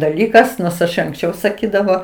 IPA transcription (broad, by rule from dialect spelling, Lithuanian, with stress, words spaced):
dɐˈlʲiːkɐs noːrs ɪʃ ɐŋksʲˈt͡ʃʲɛʊ sɐˈkʲiːdɐʋoː